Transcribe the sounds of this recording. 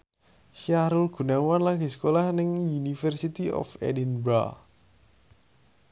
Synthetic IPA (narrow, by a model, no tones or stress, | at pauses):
ʃiaɾulɡ̥ṳnawanlaɡi̤sə̥kolahnɪŋjunifərsit̪iʔɔ̰fɛ̰dinbɾa̰